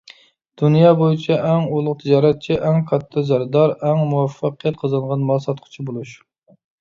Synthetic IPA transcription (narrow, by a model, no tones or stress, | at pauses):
d̪̥unjɑbojit͡ʃʰɛʔɛŋulˠʊq̚t̪ʰɪd͡ʒɑːɾɛt̪̚t͡ʃʰɛʔɛŋkʰɑt̪ʰːɨzæɾd̪ɑɾɛŋmuæfːɑqʰjɛt̪̚qʰəzɨɴʁɑnmɑlˠsɑt̪̚qʰʊ̥t͡ʃʰibolˠuʃ